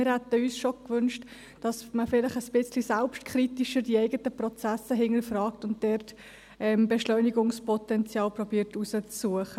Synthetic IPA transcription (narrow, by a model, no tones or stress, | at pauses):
ɪɾhɛt̪əyːsʃokʋʏnʃt | d̥ɑsməfɪlɪχəsb̥ɪt͡slisɛlpʃtkʰχɾitiʃəɾdiɛɪɡətəprɔt͡sæsəɦɪŋəɾfrɑːktʊnt̚d̥ɛrt | ɛmbɛʃlœʏniɡʊŋspʰɔtɛnt͡sjɑːlprɔbiːɾtusət͡sːuəχə